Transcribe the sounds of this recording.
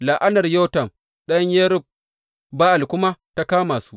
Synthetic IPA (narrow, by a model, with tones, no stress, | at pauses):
la˨ʔa˦nɐ˨rjo˦tɐ˨m | ɗɐ˦ɲjɛ˦ɾʊ˦b̚ | baː˦ʔa˨lkʷʊ˦ma˦ta˦kaː˦maː˨su˦